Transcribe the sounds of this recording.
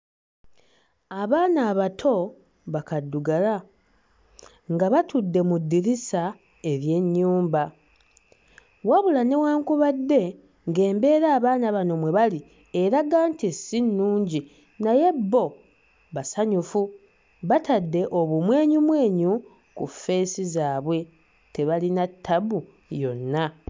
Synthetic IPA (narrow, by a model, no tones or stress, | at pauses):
aβaːnaːβatʰo̞ | βakadːuɡala | ŋɡaβatudːe̞mudːiɾisa | e̞ɾje̞ɲːuːmba | waβulane̞waːŋkuβadːe̞ | ŋɡe̞ːmbe̞ːɾaːβaːnaβano̞mwe̞βali | eɾaɡaːntesːinːuːɲɟi | naje̞bːo̞ | βasaɲufu | βatadːe̞ʔo̞βumwe̞ːɲumwe̞ːɲu | kufe̞ːsizaːβwe̞ | te̞βalinatʰːaβu | jo̞nːa